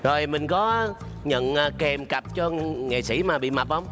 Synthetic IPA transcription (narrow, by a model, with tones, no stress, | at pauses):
zo˨˩jmï˨˩ŋ̟kɔ˨˦ | ɲə̰˧˨nː˨˧˩kɛ˨˩mka˨˩p̚t͡ɕɔ˧ŋḛ˨˩sḭ˧˩maː˨˩ɓḭ˧˨ma˨˩p̚hə˧wŋ͡m